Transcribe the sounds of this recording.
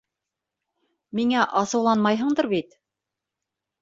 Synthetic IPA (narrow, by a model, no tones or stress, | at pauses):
miŋæʔɑsɤ̆wlˠɑnmɑjɦɤ̆ɴd̪ɤɾβit̪